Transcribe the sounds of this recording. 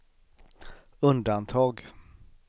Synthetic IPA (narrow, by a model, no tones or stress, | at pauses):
ɵnd̪ant̪ʰɑːɡ